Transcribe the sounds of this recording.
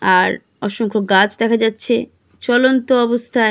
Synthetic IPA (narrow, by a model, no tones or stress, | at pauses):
aɾ | ɔʃoŋkʰoɡat͡ɕd̪ɛkʰad͡ʑatːɕʰe | t͡ɕɔlont̪oɔbost̪ʰa